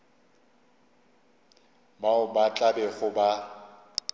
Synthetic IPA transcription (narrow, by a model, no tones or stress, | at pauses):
baʊbat͡ɬʼabɛχʊba